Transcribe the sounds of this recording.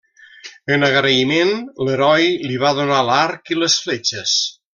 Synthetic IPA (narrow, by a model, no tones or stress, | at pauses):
ənəɣɾəimenləɾɔjliβ̞aðunalaɾkiləsflet͡ʃəs